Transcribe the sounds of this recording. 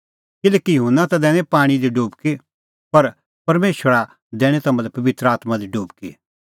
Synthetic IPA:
kɪlɛːkijʊɦʊnːat̪ad̪ɛːɽ̃ẽpaːɽ̃id̪iɖoːbke | pɐɾ | pɐɾmeːʃʋəɾa | d̪ɛːɽ̃et̪ɐmɐ̃lɛpɐʋɪt̪ɾəaːt̪mad̪iɖuːbkḛ

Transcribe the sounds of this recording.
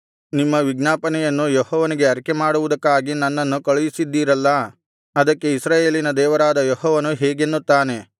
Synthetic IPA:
nimːɐʋiɡnaːpɐnɛjɐnːujɔhɔːʋɐniɡe̞ɐɾɐkemaːɽuʋud̪ɐkːaːɡinɐnːɐnːukɐɭujisid̪ːiːɾɐlːɐ | ɐd̪ɐkːe̞isɾaːjeːlinɐd̪ɛːʋɐɾaːd̪ɐjoɦɔːʋɐnuɦɛːɡenːut̪ːaːne̞

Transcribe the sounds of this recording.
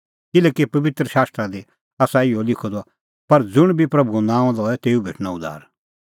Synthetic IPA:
kɪlɛːkipɐʋɪt̪ɾəʃaːst̪ɾad̪i | aːsaɪɔlɪkʰod̪ɔ | pɐɾd͡zʊɽ̃bʱipɾɐbʱunãːãd̪ɔɛt̪eːubʱḛːʈʰnaʊd̪a̰ːɾ

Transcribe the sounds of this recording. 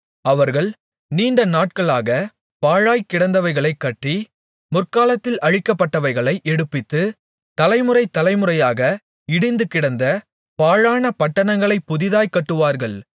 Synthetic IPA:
ɐʋɐɾɣɐɭ | niːnɖɐnaːʈ̚kɐɭaːɣɐ | paːɻaːjkːɪɽɐnd̪ɐʋɐɪɣɐɭɐɪkːɐʈːi | mʊrkaːlɐt̪ːɪlʔɐɻɪkːɐpːɐʈːɐʋɐɪɣɐɭɐɪʔɛɽɯpːɪt̪ːɯ | t̪ɐlɐɪmɯrɐɪt̪ːɐlɐɪmɯrɐjaːɣɐ | ɪɽɪnd̪ɯkɪɽɐnd̪ɐ | paːɻaːnɐpɐʈːɐɳɐŋɡɐɭɐɪpːʊðɪðaːjkɐʈːɯʋaːɾɣɐɭ

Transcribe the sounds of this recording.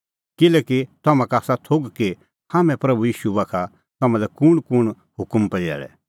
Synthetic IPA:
kɪlɛːkit̪ɐmãkaːsat̪ʰoɡke | haːmɛ̃pɾɐbujiːʃuʋɐkʰa | t̪ɐmãlɛkʊɽ̃kʊɽ̃ | hʊkəmpɛd͡ʒɛ̰ːɭɛ̰

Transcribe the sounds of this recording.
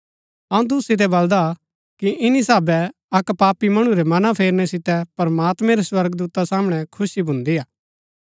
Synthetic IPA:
ɐũt̪̬ʊsɪt̪̬ɛbɐld̪a | kiʔɪnisaːbɛ | ɐkpaːpimɐɽ̃ũɾɛmɐnapʰeːɾnɛsɪt̪ɛpɐɾmaːt̪mɛ̃ɾeswɐɾɡd̪uːt̪asaːməɽ̃ɛkʰʊsibʱʊ̃nd̪iaː

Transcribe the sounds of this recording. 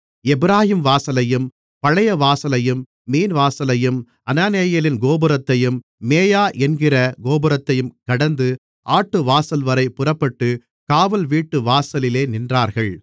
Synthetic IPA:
ɛbɪɾaːhimʋaːsɐlɐjɯm | pɐɻɐjɐʋaːsɐlɐjɯmː | iːnʋaːsɐlɐjɯm | ʔɐnaːneːjɐlɪnɡoːbɯɾɐt̪ːɐjɯmː | eːjaːʔɛnɡɪrɐɡoːbɯɾɐt̪ːɐjɯmkɐɽɐnd̪ɯ | ʔaːʈːɯʋaːsɐlʋɐɾɐɪpːʊrɐpːɐʈːɯ | kaːʋɐlʋiːʈːɯʋaːsɐlɪleːnɪndraːɾɣɐɭ

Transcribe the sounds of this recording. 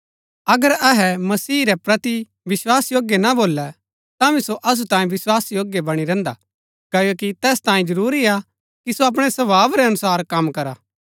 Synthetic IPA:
ɐɡəɾɐɦɛmɐsiːɾɛpɾɐt̪i | ʋɪswaːsjoːɡjɛnaboːlːɛ | t̪ãʋĩsoʔɐs̬ut̪ãːĩʋɪswaːsjoːɡjɛbɐɽ̃iɾɛ̃ːnd̪a̰ | kɐjokit̪ɛːst̪ãːĩd͡ʒɐɾuːɾia | kisoɐp̬ɽ̃ɛsɐbaːbɾɛɐnʊsaːɾkɐmkɐɾaː

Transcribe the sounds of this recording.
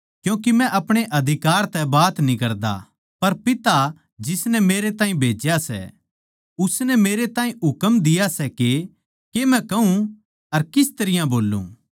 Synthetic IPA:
kjũːk̬imɛ̃ʔɐpɽ̃eʔɐd̪ʱɪkaːɾt̪ɛbaːt̪nikɐɾd̪a̰ | pɐɾpɪt̪a | d͡ʒɪsnɛmeːɾet̪ãːĩbʱeːd͡ʒjasɛ̰ | ʊsnɛmeːɾet̪ãːĩʊkəmd̪ɪjasɛke | kemɛ̃kɐũ | ɐɾkɪst̪ɐɾɪjãboːlːṵ̃

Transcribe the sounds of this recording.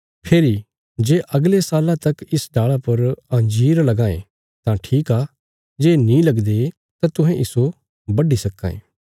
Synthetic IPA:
pʰeːɾi | d͡ʒeːʔɐɡlesaːlãt̪ɐkɪsɖaːɭapɐɾɐ̃nd͡ʒiːɾlɐɡãːḛ̃ | t̪ãʈʰiːkaː | d͡ʒeːnĩlɐɡd̪e | t̪ãt̪ʊ̃ɦɛ̃ʔɪso | bɐɖisɐkːã̰ːḛː

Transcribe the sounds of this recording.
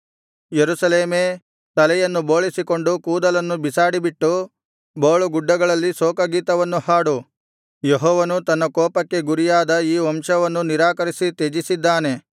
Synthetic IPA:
jeɾusɐleːmeː | t̪ɐlɛjɐnːuboːɭisiko̞ɳɖukuːd̪ɐlɐnːubisaːɽibiʈːu | boːɭuɡuɖːɐɡɐɭɐlːisoːkɐɡiːt̪ɐʋɐnːuhaːɽu | jeɦɔːʋɐnut̪ɐnːɐkɔːpɐkːe̞ɡuɾijaːd̪ɐiːʋɐmʂɐʋɐnːuniɾaːkɐɾisit̪ed͡ʒisid̪ːaːne̞

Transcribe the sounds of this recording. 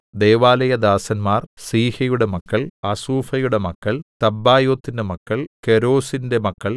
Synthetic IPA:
d̪e̞ːʋaːlɐjɐd̪aːsɐnmaːrsiːhɐjuɽe̞mɐkːɐɭɐsuːfɐjuɽe̞mɐkːɐɭt̪ɐbːaːjo̞ːt̪ːinde̞mɐkːɐɭkeɾo̞ːsinde̞mɐkːɐɭ

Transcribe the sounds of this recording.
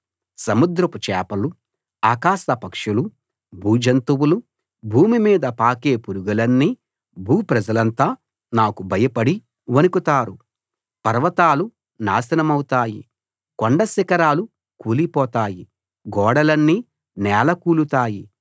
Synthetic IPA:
sɐmud̪ɾɐput͡ʃɛːpɐlu | aːkaːsɐpɐkʂulu | bʱuːd͡ʒɐnt̪uwulu | bʱuːmimiːd̪ɐpaːkeːpuɾuɡɐlɐnːi | bʱuːpɾɐd͡ʒɐlɐnt̪aː | naːkubʱɐjɐpɐɽi | ʋɐnukut̪aːɾu | pɐɾʋɐt̪aːlu | naːsɐnɐmɐwut̪aːjḭ | koɳɖɐsikɐɾaːlu | kuːlipɔːt̪aːji | ɡɔːɽɐlɐnːi | nɛːlɐkuːlut̪aːji

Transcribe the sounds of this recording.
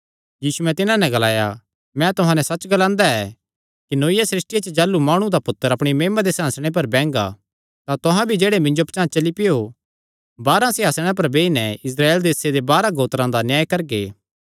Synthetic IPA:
jiːsuɛ̃t̪ɪnãnɛ̃ɡɐlaːja̰ | mɛ̃t̪ʊɦãnɛsɐt͡ʃːɡɐlãːnd̪aɛ | kinoːɪjasɾɪsʈɪjat͡ʃd͡ʒaːlːumaːɽ̃ũd̪apʊt̪ːəɾɐpɽ̃imeːmad̪esɦãːsɽ̃ep̬ɐɾbɛ̃ːŋɡa̰ | t̪at̪ʊɦãbʱid͡ʒeːɽemɪ̃ɲd͡ʒopt͡ʃãːt͡ʃɐlipɪjo | baːɾãsɪɦaːsɽ̃ãp̬ɐɾbeːinɛɪs̬ɾaːeːld̪eːsed̪ebaːɾãɡoːt̪ɾãd̪anjaːjkɐɾɡeː

